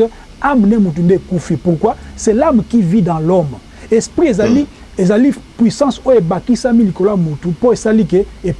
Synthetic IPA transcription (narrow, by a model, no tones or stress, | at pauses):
amnemut̬undeekufipuʁkwasɛlamkividɑ̃lɔm | espʁiezali | ezalipwisɑ̃sojoebakisamilikolamotupoesalikeep